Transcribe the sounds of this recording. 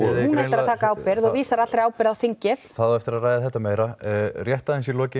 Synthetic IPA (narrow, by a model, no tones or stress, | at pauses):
ɔhunɛt̪aɾaðt̪ʰaːkaaːwpɪɾðɔɣviːsaɾat̪ɾaːwpɪɾðawθiɲcɪlθaðaɛft̪ɪɾaðraːjðɪθɛht̪ːameːjɾarjɛht̪aðɪnsilɔːcɪ